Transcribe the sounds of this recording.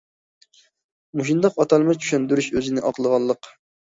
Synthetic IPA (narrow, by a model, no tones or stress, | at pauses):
muʃind̪ɑqɑt̪ʰɑlˠmɨt͡ʃʰy̥ʃɛnd̪yɾyʃøzɪnɪʔɑqlˠəʁɑlˠːəq